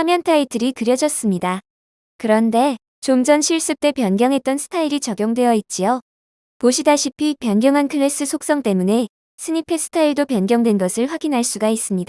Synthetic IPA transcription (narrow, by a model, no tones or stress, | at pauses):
sʰamjʌntʰaitʰɯɾikɯɾjʌd͡ʑʌs͈ɯmɲida | kɯɾʌnde̞ | t͡ɕomd͡ʑʌnɕʰiɭs͈ɯk̚t͈e̞pjʌnɡjʌŋɦe̞t̚t͈ʌnsʰɯ̥tʰaiɾit͡ɕʌɡjoŋdwe̞jʌit̚t͡ɕ͈io | poɕʰidaɕʰipʰipjʌnɡjʌŋɦankʰɯɾes͈ɯsʰok̚s͈ʌŋt͈e̞mune̞ | sʰɯɲipʰe̞sʰɯ̥tʰaiɭdopjʌnɡjʌŋdwe̞nɡʌsʰɯɭɸwaɡinɦaɭs͈uɡais͈ɯmɲida